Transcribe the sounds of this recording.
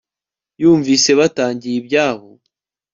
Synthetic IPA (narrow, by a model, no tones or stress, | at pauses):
juːɱviːse̞βataːɲɟijibjaːβo̞